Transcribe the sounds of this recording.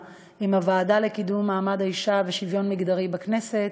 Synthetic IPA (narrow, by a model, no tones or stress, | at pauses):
imavaːdalekidumːaːmadaiʃaveʃivjo̞nmiɡd̪aʁibakne̞se̞t